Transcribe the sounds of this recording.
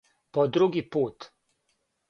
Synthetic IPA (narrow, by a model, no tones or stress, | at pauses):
pɔd̪ɾuɡipuːt̪